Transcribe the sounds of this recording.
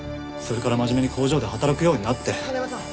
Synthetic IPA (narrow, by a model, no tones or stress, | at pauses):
so̞ɾe̞kaɾamaʑime̞ɲ̟ikʰo̞ːʑo̞ːd̪e̞ɦat̪aɾakɯ̟jo̞ːɲ̟inat̪ːe̞